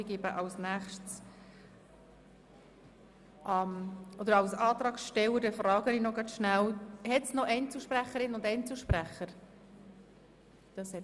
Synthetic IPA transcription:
ɪɡeːbəʔɑwsnæχʃts | ʔɑmʔɔd̪əɾɑwsɑːt̪ɾɑːksʃtɛwəd̥ɛfrɑːɡəninɔɡɑtʃnæwhɛtsnɔʔɛnt͡suʃpræχəɾɪnʊndɛɪnt͡suʃpræχəɾ | d̥ɑshɛ

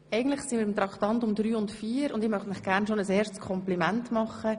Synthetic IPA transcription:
ʔɛɪɡəntləχsɪnmiːɾɪmt̪ɾɑktɑntʊmdɾyːʊntfiːəɾʊndɪmœχtnlɪχɡ̥æɾnʃonəsɛːʃskʰɔmplimæntmɑχːə

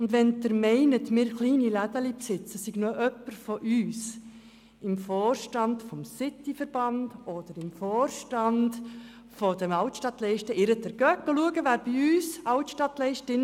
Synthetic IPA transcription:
ʊndʋɛndəɾmɛɪnətmɪːɾχliːnilæd̪əlipsɪt͡səsɪɡ̥noʔœpːəɾfɔʔyːs | ɪmfɔːrʃtɑndfɔmsɪt̪ːifəɾb̥ɑnd̥ɔd̥əɾɪmfoːrʃtɑnd̥ | fɔd̥̪əmɑʊtʃtɑt̪lɛɪʃtəɪɾədəɾɡ̥œkːəluəɡəʋæːɾb̥iyːsɑʊtʃtɑtlɛɪʃtɪn

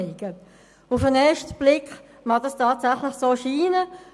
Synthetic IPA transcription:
ɪɡ̥ə | ufənɛːɐʃtb̥lɪkχ | mɑdɑstɑːtsæχləχsoːʃiːnə

